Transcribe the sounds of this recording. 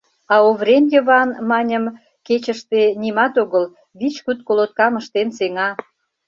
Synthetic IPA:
ɑoβremjə̆βɑnmɑnʲəm | ket͡ɕəʃt̪enimɑt̪oɣəl | βit͡ɕkut̪̚kolot̪̚kɑməʃt̪enseŋɑ

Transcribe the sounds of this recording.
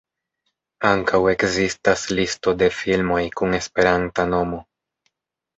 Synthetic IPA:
aŋkawe̞kzistaslisto̞de̞filmo̞jkune̞spe̞ɾantano̞mo̞

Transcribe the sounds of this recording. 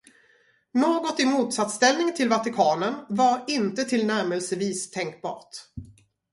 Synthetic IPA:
noːɡɔt̪ɪmuːt̪sat̪st̪ɛlnɪŋt̪ʰɪlvat̪ɪkʰɑːnənvaɾɪnt̪ət̪ʰɪlnæɾmɛlsəviːst̪ʰɛŋk̚bɑ̰ːʈ

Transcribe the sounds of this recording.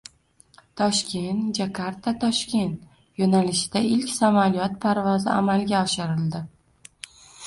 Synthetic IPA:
t̪ʰɒʃkʲʰe̞nt̪d͡ʒakʰaɾt̪ʰat̪ʰɒʃkʲe̞nt̪ | jonalɪʃɪd̪̥aɪlkʲsamalijɒt̪pʰaɾvɒzɪamalɡʲaɒʃɪɾɪld̪ɪ

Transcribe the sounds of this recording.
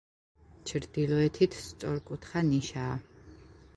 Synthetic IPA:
t͡ʃʰɾd̪̥ilɔɛt̪ʰit̪ʰst̪sʼɔɾkʼut̪ʰχaniʃaː

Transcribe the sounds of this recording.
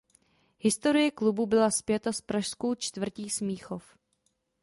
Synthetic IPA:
hɪst̪o̞ɾɪjɛklububɪlaspjɛt̪aspɾaʃsko̞wt͡ʃt̪vr̩ciːsmiːxo̞f

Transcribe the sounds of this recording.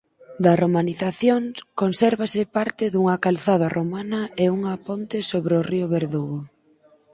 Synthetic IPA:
d̪ɐromaniθaθjoŋkonsɛɾβasɪpaɾt̪ɪðuŋɐkalθað̞ɐromanɐeuŋɐpont̪ɪsoβɾeʊriʊβeɾðuɣʊ

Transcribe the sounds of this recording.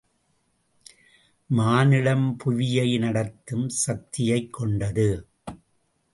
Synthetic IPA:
maːnɪlɐmpʊʋɪjɐɪnɐɽɐt̪ːɯmsɐt̪ːɪjɐɪkʰːɔɳɖɐðɯ

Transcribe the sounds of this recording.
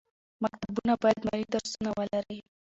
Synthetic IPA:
mak̚t̪aabunabɑjad̪mɑlid̪aɾsunawəlaɾəj

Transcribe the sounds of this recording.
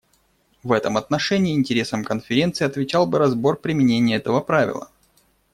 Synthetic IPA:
vɛt̪əmɐt̪nɐʂɛnʲɪːɪnʲtʲɪɾʲe̞səmkənfʲɪɾʲe̞nt̪sɨɪɐt̪vʲɪt͡ɕalˠbɨɾɐzbo̞rpɾʲɪmʲɪnʲenʲɪjəɛt̪əvəpɾavʲɪ̰lˠə̰

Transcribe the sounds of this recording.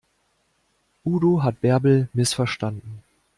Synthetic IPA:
ʔuːdoɦat̚b̥ɛɐbl̩mɪsfɛɐʃtandn̩

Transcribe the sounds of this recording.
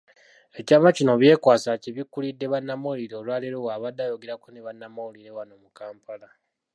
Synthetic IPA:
e̞caːmacino̞βje̞ːkwaːsaceβikːulidːe̞βanːamoliɾeolwaːleɾowaβadːajoɡe̞ɾakoneβanːamauliɾe̞wano̞mukaːmpala

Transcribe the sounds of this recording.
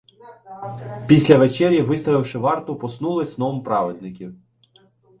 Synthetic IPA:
pʲisʲlʲɐʋet͡ʃɛɾʲjɐʋɪst̪ɔʋɪwʃɪʋɑrt̪ʊpɔsnulˠɪsʲnɔmpɾɑʋed̪nɪkʲiw

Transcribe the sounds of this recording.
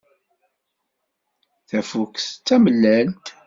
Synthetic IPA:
θæfukθt͡sːæməlːælt̪

